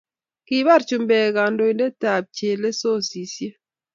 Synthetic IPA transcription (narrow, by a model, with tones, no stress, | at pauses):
ki˦βa˦ɾt͡ʃu˨mbɛ˨ka˨ndo˨i˨nde˦ta˨p̚t͡ʃe˨le˦so˦˨si˨sje˦